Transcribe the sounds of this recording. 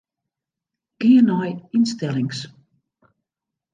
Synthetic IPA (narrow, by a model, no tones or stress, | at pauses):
ɡ̥iənajɪnstɛlˠɪŋs